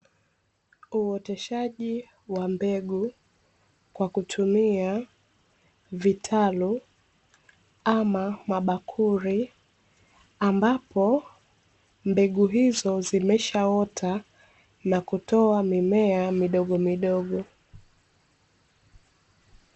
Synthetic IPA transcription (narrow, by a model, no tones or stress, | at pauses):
uwɔtɛʃaʄi | wambɛɠu | kwakutʰumia | vitʰalu | amamaɓakʰuɾi | ambapɔ | mbɛɠuɦizɔzimɛʃaɔtʰa | nakutɔamimɛamiɗɔɠɔmiɗɔɠɔ